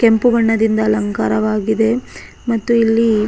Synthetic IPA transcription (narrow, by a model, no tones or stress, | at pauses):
kempuʋɐɳːɐd̪ind̪ɐːlɐŋka̰ːɾɐʋaːɡid̪e̞ | mɐt̪ːuilːi